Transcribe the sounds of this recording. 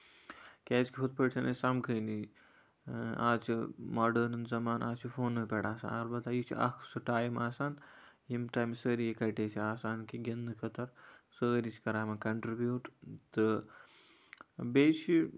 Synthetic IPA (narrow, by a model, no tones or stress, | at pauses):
kʲɛːt͡ʃkʲipʰut̪̚pəʈt͡ʃʰɐnesɐmkʰəːni | a̰ːt͡ʃʰimaːɖəːnɨnzɐmaːnʔaːt͡ʃʰifʰoːnːɨpʲɛɽaːsa̰ːnɐɾbɐt̪aːjit͡ʃʰḭʔɐ̰kʰsɨʈaːjmaːsaːnjimʈaːjmsəːɾijekɐʈet͡ʃʰiaːsaːnkiɡɐnd̪ɨkʰɐt̪ɐɾsəːɾit͡ʃʰkɐɾaːmɐkɐɳʈɾibjuːʈt̪ɨ | beːt͡ʃʰi